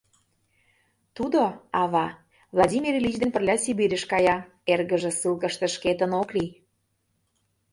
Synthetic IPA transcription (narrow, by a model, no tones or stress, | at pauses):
t̪ud̪oɑβɑ | vlˠɑdʲimʲirlʲit͡ɕd̪enpə̆rlʲɑsibiɾʲə̆ʃkɑjɑ | erɣə̆ʒĕsɨlˠkə̆ʃt̪ə̆ʃket̪ənokli